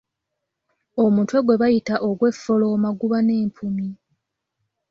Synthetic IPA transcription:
o̞mutwe̞ɡwe̞βajitaʔoɡwe̞fːo̞lo̞ːmaɡuβane̞ːmpʰumi

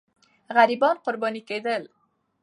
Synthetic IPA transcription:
ɣaɾibɔnqʊɾbɑniked̪əl

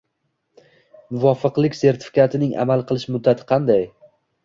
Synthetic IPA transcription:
mʊvɒfɨqlˠɪkʲse̞ɾt̪ʰɪ̥fɪ̥kʲʰat̪ʰɪnɪŋʔa̰malˠqʰɨlˠɪʃmʊd̪ːat̪ʰɪ̥qʰɑnd̪aj

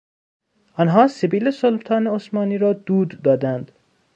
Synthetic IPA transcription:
ɒnɦɒːsebiːlesolbt̪ʰɒːneosmɒːniːɾɒːd̪uːd̪ːɒːd̪ænd̪

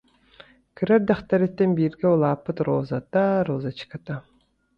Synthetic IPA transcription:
kɯɾaɾd̪aχt̪aɾet̪ːenbiːɾɡeulˠaːpːɯt̪ɾoːzat̪aɾoːzat͡ʃi̥kat̪a

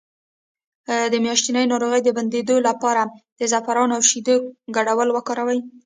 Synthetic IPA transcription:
d̪əmjɑʃt̪inəjnɑɾoɣəjd̪əband̪ed̪olapɑɾad̪̥əzafaɾɑnawʃid̪əɡaɽawəlwəkɑɾawaj

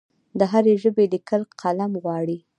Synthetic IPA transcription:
d̪əɦaɾeʒəbelikəlqʰalamɣwɑɽi

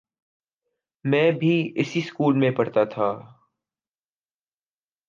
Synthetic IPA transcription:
mɛ̃ːbʱiɪsiskuːlmẽpɐɽt̪at̪ʰaː

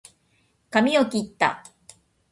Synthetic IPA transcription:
kamʲiokʲit̪ːa̰

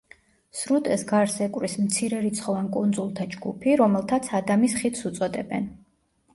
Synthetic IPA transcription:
sɾut̪ʼɛsɡaɾsɛkʼwɾismt̪sʰiɾɛɾit̪sʰχɔvankʼund̪zulˠt̪ʰad͡ʒɡupʰiɾɔmɛlˠt̪ʰat̪sʰad̪amisχit̪ʰsut̪sʼɔd̪ɛ̰bɛ̰n

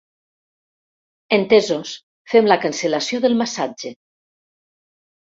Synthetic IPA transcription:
ent̪ezos | femlakansəlasjoðəlˠmasad͡ʒe

